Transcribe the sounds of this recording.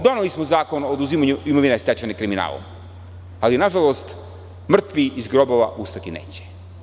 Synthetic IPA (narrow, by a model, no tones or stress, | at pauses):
d̪o̞nelismozaːko̞noːd̪uzimaɲuimoʋinest̪et͡ʃanekɾimina̰ːlˠo̰m | alinaʒalˠo̞st̪ | mr̩t̪ʋiizɡɾo̞bo̞ʋa̰ʔust̪at̪inḛːt͡ɕe̥